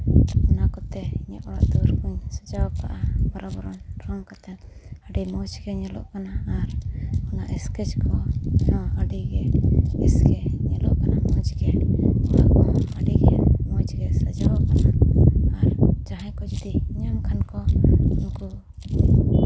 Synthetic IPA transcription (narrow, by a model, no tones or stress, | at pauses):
ɔnakɔt̪ɛiɲaʔɔɽa̰ʔd̪uɾkuɲsad͡ʒawakaʔabaɾɔbɔɾɔnʈɾɔnkɔt̪ɛəɖimɔd͡ʒɡɛɲɛlɔ̰ʔkanaːɾɔnaʔɛskɛt͡ʃkʰɔnɔaɖiɡɛɛsɡɛɲɛlɔʔkanamɔd͡ʒɡɛɔɽa̰ʔkɔaɖiɡɛmɔd͡ʒɡɛsad͡ʒawakanaː | ɾd͡ʒaɦãjkɔd͡ʒud̪iɲaŋkʰankɔnku